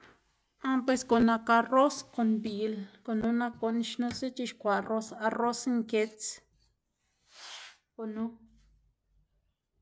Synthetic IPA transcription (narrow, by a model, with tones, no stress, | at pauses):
a˧pwe˧sko˨na˧ka˧ro˦sko˧nbi˨lko˨nu˦na˧ko˧n˧ʃnũ˦si˦t͡ʃi˧ʃkʷa˨ro˧sa˧ro˦sŋke˧t͡s | ko˨nũ˦